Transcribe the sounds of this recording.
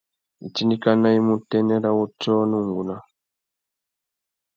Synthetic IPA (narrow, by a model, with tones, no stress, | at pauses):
i˨t͡ʃi˦ni˦ka˦na˦i˦mu˦tɛ˦nɛ˦ɾa˦wu˦tɔ˦nu˦˨ŋɡu˨na˦